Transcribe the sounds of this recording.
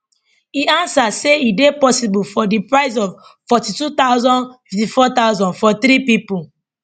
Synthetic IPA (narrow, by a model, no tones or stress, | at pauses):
iãnsaseidepɔsibulfɔdipɹaɪzɔv | fɔtitut̪aʊzɔ̃nfiftifɔt̪aʊzɔ̃nfɔθɾipipu